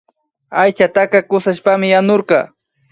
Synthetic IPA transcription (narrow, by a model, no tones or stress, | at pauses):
ajt͡ʃat̪akɑkʊsaʃpamɪjanoɾqɑ̰